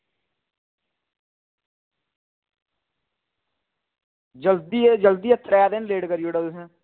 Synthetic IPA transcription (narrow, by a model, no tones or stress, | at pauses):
d͡ʒəld̪id͡ʒəld̪iːət̪ʰːəɾɛaːd̪ɪnleːɖkəɾijoːɽad̪ʊsɛ̃ː